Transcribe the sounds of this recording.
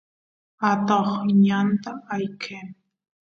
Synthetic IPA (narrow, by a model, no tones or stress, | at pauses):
at̪oχɲant̪aːjkʰen